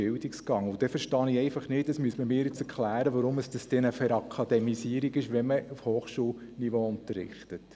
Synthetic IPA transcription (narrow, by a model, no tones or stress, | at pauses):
ɪldikskɑŋʊd̥ɛfəɾʃtɑːnɪɛɪfɑχnɪːt̚dəsmyəsməmɪːɾjɪt͡sɛɾkʰlæːɾəʋɑɾʊməsd̥ɑsd̥ɛnəfɛɾɑkʰɑd̪ɛmisiəɾiɡɪʃʋɛməufhoːχʃuːl | niʋoʊntərɾɪ̰χtət